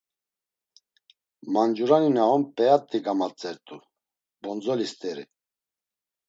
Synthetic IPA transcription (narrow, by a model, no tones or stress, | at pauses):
mand͡ʒuɾaninaɔmpʼɛat̪ʼːiɡamat͡sʼɛɾt̪ʼu | bɔnd͡zɔlist̪ʼɛɾḭ